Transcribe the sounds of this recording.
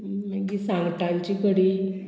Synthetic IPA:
makiːsãŋɡʈalt͡ɕikəɽiː

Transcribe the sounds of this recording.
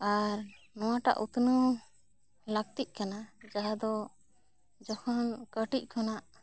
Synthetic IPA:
aɾ | nɔwaʈa̰ʔut̪nɔ | lək̚t̪iʔ̚ˀkanad͡ʒaɦad̪ɔ | d͡ʒɔhɔnkəʈic̚ˀkʰɔnaʔ

